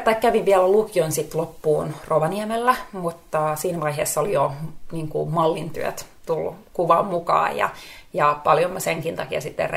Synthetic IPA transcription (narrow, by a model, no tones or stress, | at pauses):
t̪ɑikkːæʋiʋʋiælælukionsit̪lopːuːnroʋɑniɛmelːæmut̪ːɑsiːnæʋɑiɦeːsːolijoniːŋkumɑlːint̪y̰ø̰t̪t̪ul̰ːkuʋɑmmukɑ̰ːjjɑ̰jɑpɑljomːɑseŋkint̪ɑkiɑ̰sit̪ːḛr